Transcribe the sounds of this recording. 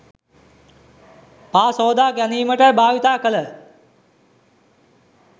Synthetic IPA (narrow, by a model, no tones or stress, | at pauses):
paːsɔːd̪aːkjɐniːməʈəbaːʋit̪aːkələ